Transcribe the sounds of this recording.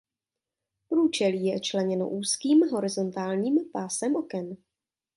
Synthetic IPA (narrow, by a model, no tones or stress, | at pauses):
pɾuːt͡ʃɛliːjɛt͡ʃlɛɲɛno̞̰ʔuːskiːmɦo̞ɾɪzo̞nt̪aːlɲiːmpaːsɛmʔo̞kɛn